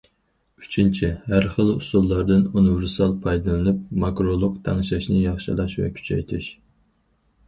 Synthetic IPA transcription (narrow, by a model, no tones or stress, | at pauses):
y̥t͡ʃʰint͡ʃʰihæɾχəlˠṵsulˠːɑɾd̪ɨnunɨvɪɾsɑlˠpʰɑjd̪ɨlˠɨnɨp̚mɑkɾolˠʊqt̪ʰɛŋɨʃɑʃnɨjɑχʃilˠɑʃvɛ̰kʲʰy̥t͡ʃʰɛ̰jt̪ʰɪʃ